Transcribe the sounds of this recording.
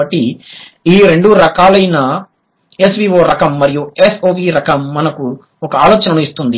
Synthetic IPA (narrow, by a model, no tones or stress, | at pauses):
ɐʈːi | iːɾe̞ɳɖuɾɐkaːlɐjnɐ | e̞sʋiːʋoːɾɐkɐmːɐɾijuesoːʋiːɾɐkɐmːɐnɐku | ɔkɐaːloːt͡ʃɐnɐmuist̪und̪i